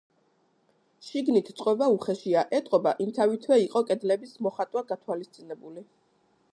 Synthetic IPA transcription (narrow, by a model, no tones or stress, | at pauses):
ʃiɡnit̪ʰt̪sʼqʼwɛvauχɛʃiaʔɛt̪ʼqʼɔbaʔimt̪ʰavit̪ʰwɛiqʼɔkʼɛd̪lɛbismɔχat̪ʼwaɡat̪ʰwalist̪sʼinɛbuli